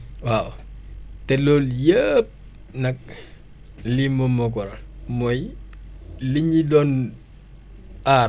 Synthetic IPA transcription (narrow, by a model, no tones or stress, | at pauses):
waːw | tɛlɔːljəp̚ | nɐk̚ | liməmɔkɔɾɐlmɔj | liɲidɔn | ʔaː